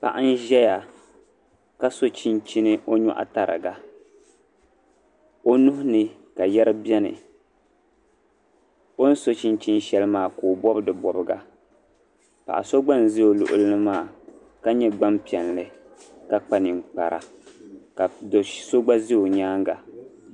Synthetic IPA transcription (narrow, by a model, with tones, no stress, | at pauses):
pa̰˨ʔa˦n˦ʒɛ˦ja˨ | ka˦so˦t͡ʃi˦nt͡ʃi˦nɨ˦ʔo˦ɲṵ˦ʔa̰˦ta˨ɾɨ̰˨ɡa˨ | o˦nu˦hʊ˦nɨ˨ | ka˨jɛ˦ɾɨ˦bi˦ɛ˦nɨ̰˨ | o˦n̩˦so˦t͡ʃi˦nt͡ʃi˦n˦ʃɛ˦lɨ˦maː˦˨koː˨bɔ˦bdɨ˨bɔ˨bɨ˦ɡa˨ | pa̰˨ʔa̰˨so˦ɡ͡ba˦n˨ze˦o˨lʊ̰˨ʔʊ̰˦lɨ˦nɨ˦maː˦˨ | ka˦ɲɛ˦ɡ͡ba˦mpi˨ɛ˨nlɨ˨ | ka˦k͡pa˨nɪ˨ŋk͡pa˨ɾa̰˨ | ka˨so˦ɡ͡ba˦ze˦jo˨ɲaː˦ŋɡa˨